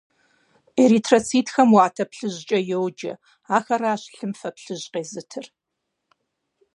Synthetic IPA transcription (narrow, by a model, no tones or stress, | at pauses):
eɾiːtʰrɐt͡sʰiːtxɐmwaːtʰɐpɬɨʑt͡ʃʼɐjɛwd͡ʒɐ̰ | aːxɐraːɕɬɨmfɐpɬɨʑqeːzɨtʰɨr